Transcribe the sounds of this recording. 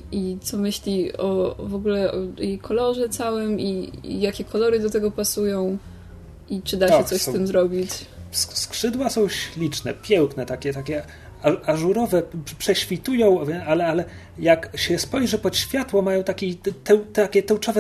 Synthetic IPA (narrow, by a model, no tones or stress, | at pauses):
it̪sɔmɘɕlʲiɔvɔɡulɛʔɔt̪jejkʰɔlɔʐɛt̪sawɘmḭjakʲɛkɔlɔɾɘd̪ɔt̪ɛɡɔpasujɔ̃w̃ | ʔit͡ʂɘd̪aʃɛsɔssɪmzɾɔbʲit͡ɕsskʂɘd̪wasɔ̃w̃ɕlʲit͡ʂnɛ̰pʲjɛwknɛt̪akʲɛt̪akʲɛ | aaʐuɾɔvɛpʂɛɕfʲit̪ujɔ̃w̃vʲɛalɛalɛ | jakɕɛspɔjʐɛpɔt̪ɕfʲjat̪wɔmajɔ̃w̃t̪akʲit̪ɛwt̪akʲɛt̪ɛwt͡ʂɔvɛ